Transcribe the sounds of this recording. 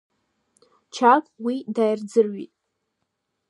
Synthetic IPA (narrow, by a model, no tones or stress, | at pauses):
t͡ʃʰakʼwidajrd͡zɨrɥḭtʼ